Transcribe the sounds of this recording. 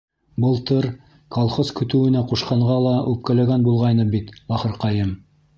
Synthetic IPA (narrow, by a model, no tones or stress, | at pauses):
bɤlˠt̪ɤɾ | kɑlˠχozkɵ̆t̪ɘ̆wɘ̆næquʃqɑɴʁɑlˠɑʔʉp̚kælæɡænbulˠʁɑjnɤbit̪bɑχɤ̆ɾqɑjɤm